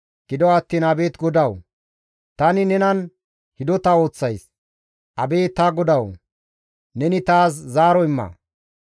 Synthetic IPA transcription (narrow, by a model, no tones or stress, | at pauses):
ɡ̥ɪd̪ɔwɐt̪ːiːnɐbe̞ːt̪ɡɔd̪ɐw | t̪ɐnɪnɛnɐn | hɪd̪ɔt̪ɐo̞ːt͡sːɐjs | ʔɐbeːt̪ːaɡɔd̪ɐw | nɛnɪt̪aːs̬zaːɾɔɪmːɐ̰